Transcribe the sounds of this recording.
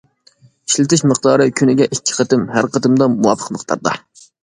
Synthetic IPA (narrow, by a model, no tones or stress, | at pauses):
i̥ʃlɪt̪ɪʃməqd̪ɑːɾɨkʲʰynɪɡʲɛʔikʲʰːi̥qʰət̪ɨmɦæɾqʰət̪ɨmd̪ɑmuwɑpʰə̥qməqt̪ʰɑ̰ɾd̪ɑ̰